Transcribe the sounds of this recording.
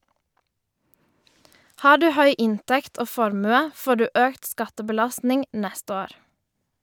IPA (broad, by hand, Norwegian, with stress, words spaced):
ˈhɑː ˈɖʉː ˈhœʏ ˈɪntɛkt ˈoː ˈfɔɾmʉə ˈfoː ˈɖʉː ˈøːkt ˈskɑtəbəˌlɑstnɪŋ ˈnɛst ˈoːɾ